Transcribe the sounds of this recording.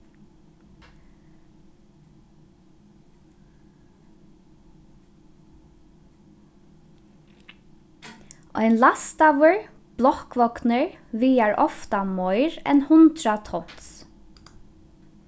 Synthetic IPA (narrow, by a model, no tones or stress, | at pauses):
ʔɔ̰ɪnlast̪awəɹ | b̥lɔkʋɔknəɹʋiːaɹʔɔft̪amɔʏɹɛ̰nhʊnt̪ɹat̪ʰɔnt̪s